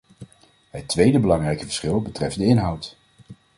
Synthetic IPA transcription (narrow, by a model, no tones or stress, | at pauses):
ɦətːʋejdəbəlɑŋrɛjkəvə̥ɹsχɪlˠbətrɛf̚dəɪnɦʌwt